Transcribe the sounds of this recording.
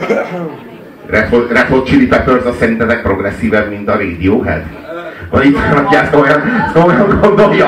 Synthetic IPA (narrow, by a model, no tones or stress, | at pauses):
rɛforɛfot̪t͡ʃiɾipɛføɾzɒsɛɾint̪ɛzɛk̚pro̞ɡrɛsːiːvɛbmint̪ɒɾeːd̪ioːɦɛ̰z | vɒ̰ɟit̪ʋaːnɒkjaːsojɒnsojɒŋɡo̞nd̪o̞ljɒ